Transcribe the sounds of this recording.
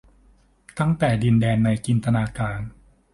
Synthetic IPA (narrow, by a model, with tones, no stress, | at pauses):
t̪a˥˩ŋt̪ɛː˨˩di˧ndɛː˧nːa˧jki˧nt̪a˧naː˧kaː˧n